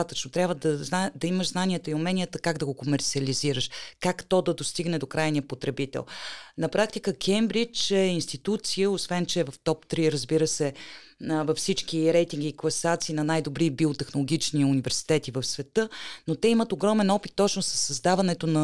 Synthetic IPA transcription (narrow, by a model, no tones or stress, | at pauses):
at̪ət͡ʃnot̪ɾʲabvəd̪əzad̪ɐiməʃznaniət̪əiʊmɛnʲijət̪əkaɡd̪ɐɡokomɛɾt̪siəliziɾəʃkakt̪ɔd̪ɐd̪ost̪iɡnɛd̪okɾajnijəpot̪ɾɛbit̪ɛ̰lˠnɐpɾak̚t̪ikəkʰɛmbɾit͡ʃɛinst̪it̪ut̪sijəosvɛnt͡ʃɛvɐft̪ɔpt̪ɾiɾəzbiɾəsɛ | vɐfsit͡ʃkiɾɛjt̪iŋɡʲiːklˠɐsat̪siːnɐnajd̪obɾibiot̪ɛxnolˠoɡʲit͡ʃniunivɛɾsi̥t̪ɛt̪ivəfsvɛt̪ɤnot̪ɛimət̪oɡɾɔmɛnɔpit̪ːɔt͡ʃnosə̥sːɐzd̪avɐnɛt̪onɐ